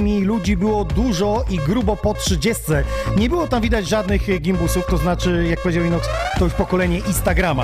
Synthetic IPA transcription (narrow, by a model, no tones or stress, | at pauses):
mʲilud͡ʑibɘwɔd̪uʐɔʔiɡɾubɔpɔtʂɘd͡ʑɛst̪sɛɲɛbɘwɔt̪amvʲid̪ad͡ʑʐad̪nɘɣɡʲimbusuft̪ɔznat͡ʂɘjak̚pɔvʲed͡ʑawʲinɔkst̪ɔjuʂpɔkɔlɛɲɛʔĩnst̪aɡɾama